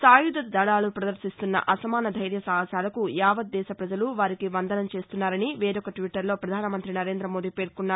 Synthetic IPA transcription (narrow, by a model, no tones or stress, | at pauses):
saːjud̪ɐd̪ɐɭaːlupɾɐd̪ɐɾʃist̪unːɐ̰ʔɐsɐmaːnɐd̪ʱɐjɾjɐsɐɦɐsaːlɐkujaːʋɐt̪̚d̪ɛːʃɐpɾɐd͡ʒɐluʋaːɾikiʋɐnd̪ɐnɐmt͡ʃe̞ːst̪unːaːɾɐniʋeːɾɔkɐʈʋiʈːɐɾlo̞ːpɾɐd̪ʱaːnɐmɐnt̪ɾinɐɾe̞ːnd̪ɾɐmo̞ːd̪iːpe̞ːɾkunːaːɾ